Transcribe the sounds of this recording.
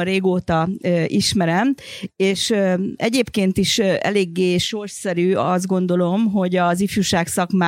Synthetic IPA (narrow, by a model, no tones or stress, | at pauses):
ɾeːɡoːt̪ɒøʔiʃmɛɾɛmeːʃøɛɟeːpkeːnt̪iʃɛ̰leːɡːeːʃo̞rʃsɛɾyːɒzd̪̚ɡo̞nd̪o̞lo̞mɦo̞ɟɒzifjuʃaːksɒkmaː